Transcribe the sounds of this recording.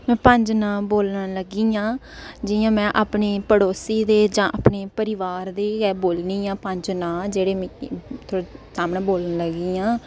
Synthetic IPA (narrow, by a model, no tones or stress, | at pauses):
mɛ̃ːpə̃ɲd͡ʒnãːboːlnaləɡiːãː | d͡ʒɪjãːmɛ̃ːʔaːpɳeːpəɽoːsiːd̪eːd͡ʒãːʔaːpɳeːpəɾɪʋaːɾd̪eːɛːboːlniːãːpə̃ɲd͡ʒnãːd͡ʒeːɽeːmt̪ʰoːɽsaːmnãːboːlnləɡiːãː